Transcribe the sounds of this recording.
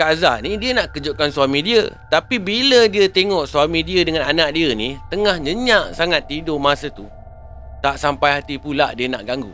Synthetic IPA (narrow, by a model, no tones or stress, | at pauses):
kaza̰nĩdiənaʔkəd͡ʒoʔ̚kansualmĩdiə̰t̪apibilədiət̪eŋɔʔsualmĩdiədəŋãnanaʔ̚diənit̪əŋahɲə̃ɲaʔsaŋat̪ːidomasət̪u | t̪aʔsampajhat̪ipula̰ʔdiəna̰ʔɡaŋɡṵ